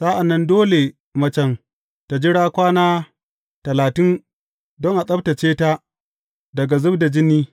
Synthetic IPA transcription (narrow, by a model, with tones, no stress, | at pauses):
sa˦ʔa˨nːɐ˦ndoː˦le˨ | mɐ˦t͡ʃɐ˨ŋ | ta˨d͡ʒɪ˦ɽaː˦kʷaː˦naː˦ | tɐ˨laː˨tɪ˦n | dɔ˦ŋʔa˨sʼɐ˦b̚ta˨t͡ʃeː˦ta˦ | dɐ˨ɡa˨zʊ˦bda˨d͡ʒɪ˦niː˦